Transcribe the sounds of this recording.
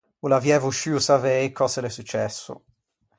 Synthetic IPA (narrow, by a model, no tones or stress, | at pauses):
ulavjɛvuʃiusavejkʰɔselesut͡ʃːɛsːʊ̰